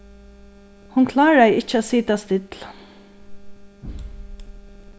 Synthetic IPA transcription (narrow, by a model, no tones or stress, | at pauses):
hʊnkʰlaːɹajɪt͡ʃːat̪siːt̪ast̪ɪt̪l̥